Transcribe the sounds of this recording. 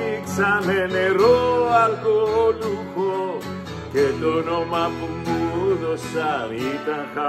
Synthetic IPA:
ksameneɾoalkoluko | ket̪onomapumpuðosaɾit̪ãŋxa

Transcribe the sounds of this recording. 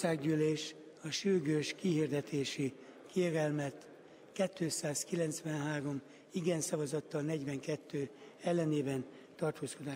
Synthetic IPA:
saːɡɟyːleːʃ | ɒʃyrɡøːʃkihird̪ɛt̪eːʃikeːɾɛlmɛt̪ | kɛt̪ːøːsaːskilɛnt̪sʋɛnɦaːɾo̞m | iɡɛnsɒvɒzɒt̪ːɒlnɛɟʋɛŋkɛt̪ːøːɛlːɛneːbɛn | t̪ɒrt̪oːsko̞d̪aː

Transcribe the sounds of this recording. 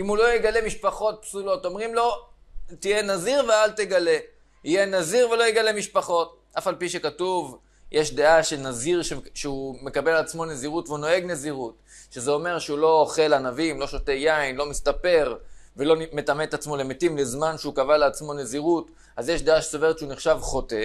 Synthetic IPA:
imulo̞jeɡale̞miʃpaχo̞t̚psulo̞to̞mʁimlo̞ | t̪ijenaziʁvealt̪eɡale̞ | ijenaziʁvelo̞jeɡale̞miʃpaχo̞t | ʔafalpiʃe̞katuv | jʔeʃd̪e̞aʃenaziʁʃeʃeume̞kabe̞lat͡smo̞ne̞ziʁutveuno̞e̞ɡne̞ziʁut̪ | ʃezeo̞me̞ʁʃeulo̞ːχe̞lanavimlo̞ʃo̞t̪ejainlo̞mist̪ape̞ʁvelo̞nme̞t̪amet̪at͡smo̞le̞metimlezmanʃeukavaleːt͡smo̞ne̞ziʁut | azjeʃdeaʃeso̞ve̞ʁt̪t͡ʃeuniχʃavχo̞te

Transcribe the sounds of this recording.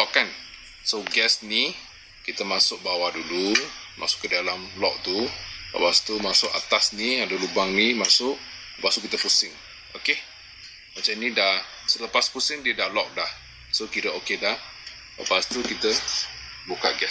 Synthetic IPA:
lɔʔkan | soɡɛsni | kit̪əmasʊk̚bawadulumʔa̰sʊ̥ʔkədalamlɔʔ̚t̪ulə̰past̪umasʊʔa̰t̪asniadəlubaŋnimasʊʔ | ləpaʔst̪ukit̪əpusɪŋ | oke | mat͡ʃamnidah | sələpaspusɪŋdiədahlɔk̚dah | sokiɾəokedah | ləpast̪ukit̪ə | luka̰ʔɡɛs

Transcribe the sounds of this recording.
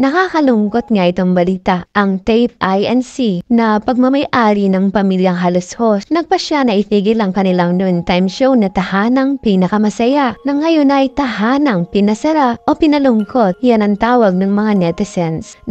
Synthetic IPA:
nɐkakɐlʊŋkot̪̚ŋaɪt̪oŋbɐliːt̪aʔʔɐŋt̪ɛjp̚ʔajɛnsinɐpɐɡ̚mɐmɐjʔaːɾinɐŋpɐmiljɐŋɦɐloshosnɐɡ̚pɐʃanɐɪpiːɡɪlɐŋkɐnɪlaŋnunt̪ajmʃownɐt̪ɐhaːnɐŋpɪnɐkɐmɐsɐjaʔnɐŋːɐjonɐjt̪ɐhaːnɐŋpɪnɐsɐɾaʔopɪnɐlʊŋkot̪̚janɐŋt̪aːwɐɡ̚nɐŋmɐŋanɛt̪ɛsɛns

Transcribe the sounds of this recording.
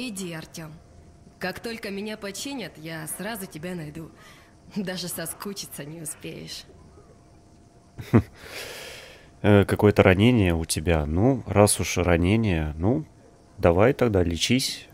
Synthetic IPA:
ɪdʲiɐrtʲom | kakt̪o̞lʲkəmʲɪnʲapɐt͡ɕenʲət̪jasrazʊtʲɪbʲanɐjd̪u | d̪aʐɨsɐskut͡ɕɪ̥t̪sənʲɪʊspʲḛjɪ̰ʂ | əkɐko̞jət̪əɾʔɐnʲenʲɪjəʊtʲɪbʲanurasʊʂrɐnʲenʲɪjənu | d̪ɐvajt̪ɐɡ̚d̪alʲɪt͡ɕisʲ

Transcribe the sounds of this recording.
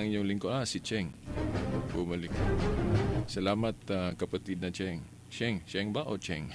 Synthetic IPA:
ɐŋjʊŋlɪŋkoʔasit͡ʃɛŋ | bʊmʊlɪka | sɐlaːmɐt̪akɐpɐt̪id̪̚nɐt͡ʃɛŋ | t͡ʃɛŋt͡ʃɛŋbaʔot͡ʃɛŋ

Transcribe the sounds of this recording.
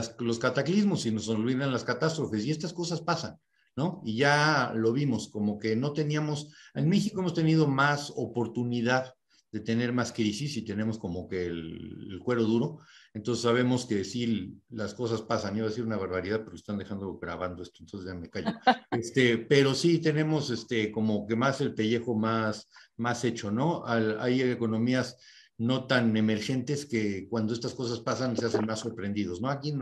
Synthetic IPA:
lo̞skat̪aklizmo̞sino̞solβiðanlaskat̪ast̪ɾo̞fe̞s̬ie̞st̪asko̞saspasanː | o̞iʝalo̞βimo̞sko̞mo̞ke̞no̞t̪e̞niamo̞senme̞xiko̞e̞mo̞st̪e̞niðo̞maso̞̰po̞ɾt̪uniðað | ðe̞t̪e̞ne̞ɾmaskɾisisit̪e̞ne̞mo̞sko̞mo̞ke̞ḛlkwe̞ɾo̞ð̞uɾo̞ent̪o̞nsesːaβ̞e̞mo̞ske̞silasko̞s̬aspasaniβaðesiɾunaβaɾβaɾiðaðpo̞ɾke̥st̪and̪e̞xand̪oɣɾa̰βand̪o̞e̞st̪oent̪onseʝamekaʝoest̪e̞pe̞ɾo̞sit̪e̞nẽ̞mo̞sest̪e̞ko̞mo̞ke̞mase̞lpe̞ʝe̞xo̞masmase̞t͡ʃo̞no̞ala̰jeko̞nõ̞mias | no̞t̪ane̞me̞ɾxe̞nt̪e̞ske̞kwand̪oest̪asko̞saspasanse̞ase̞nmasːo̞ɾpɾe̞nd̪iðozno̞akin

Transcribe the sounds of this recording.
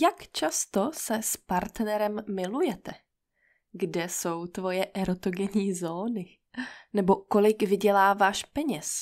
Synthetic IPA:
jakt͡ʃast̪o̞sɛspaɾt̪nɛɾɛmːɪlujɛt̪ɛ | ɡdɛso̞wt̪vo̞jɛʔɛɾot̪oɡɛɲiːzoːnɪ | nɛbo̞ko̞lɪɡvɪɟɛlaːvaːʃpɛɲɛs

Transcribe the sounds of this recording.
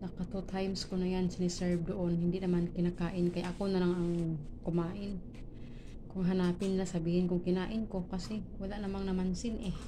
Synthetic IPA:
nɐkat̪ot̪ʰajmskonajansɪnɪsɛɹb̚d̪oʔonhɪnd̪ɪnɐmankɪnakaːʔɪnkɐjaʔɐkonɐlaŋɐŋkʊmaːʔɪn | kʊŋɦanaːpɪnlasɐbiːhɪnkʊŋkɪnaːʔɪnko̞kɐsɛwalaʔnɐmaŋnɐmansɪnʔɛ

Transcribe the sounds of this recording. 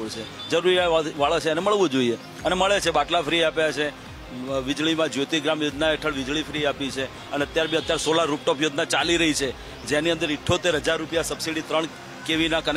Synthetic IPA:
ɭt͡ʃʰe | d͡ʒəɾuɾiaʋaɭat͡ʃʰeneməɭʋũd͡ʒoie | əneməɭet͡ʃʰebaʈlafɾiapjat͡ʃʰe | ʋɪd͡ʒɭimãd͡ʒjot̪iɡɾamjod͡ʒ̪naeʈʰəɭʋɪd͡ʒɭifɾiapit͡ʃʰe | əneət̪jaɾbʱĩət̪jaɾsolaɾup̚ʈopjod͡ʒ̪nat͡ʃaliɾəɦit͡ʃʰe | d͡ʒeniənd̪əɾɪʈʰːot̪eɾɦəd͡ʒaɾːupjasəbsiɽit̪ɾəɳ | keʋinakən

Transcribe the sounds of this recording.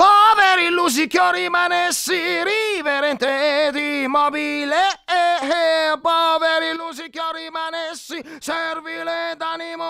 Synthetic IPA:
pɔveɾilus̬ikjoɾimanesːiɾiveɾɛnt̪ed̪imɔbileeepɔveɾilːuzikjoɾimanesːisɛrviled̪animo

